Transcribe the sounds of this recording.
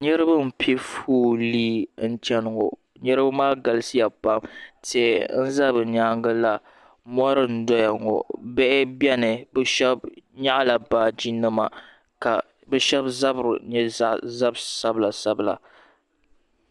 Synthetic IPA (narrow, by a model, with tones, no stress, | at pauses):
ɲɛ˦ɾɨ˦ba˦m̩˨pʰɛ˦fuː˦liː˦n̩˦t͡ʃɛ˦nʊ˨ŋo̰˨ | ɲɛ˦ɾɨ˦ba˦maː˦ɡa˨lɨ˦si˦ja˨pa˦mte˨n̩˦za˦bɨ˨ɲaː˦ŋɡa˦la˨ | mɔ˦ɾɨ˦n̩˦dɔ˦ja˨ŋɔ̰˨bɛ˦ʔɪ˦bjɛ˦nɨ˨bɛ˦ʃɛ˦b̚ɲa˦ʔla˨baː˦˨d͡ʒi˦nɨ˦ma̰˨ | ka˨ | bɛ˦ʃɛ˦bza˦bɾɲɛ˦a˦˨za˦bsa˦bɨ˦la˨sa˦bɨ˨la̰˨